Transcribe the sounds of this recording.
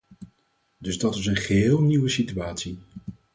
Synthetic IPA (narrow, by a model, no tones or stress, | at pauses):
dɵzdɑtɪsənχəɦɪːlˠniwəsityaːtsi